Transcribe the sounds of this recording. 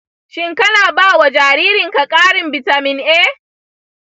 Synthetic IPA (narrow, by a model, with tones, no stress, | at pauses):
ʃɪ˦ŋkɐ˦naː˨baː˦wa˨d͡ʒaː˨ɾiː˦ɾɪ˨ŋka˨kʼaː˦ɽɪ˨mbɪ˨ta˨mɪ˨nʔeː˦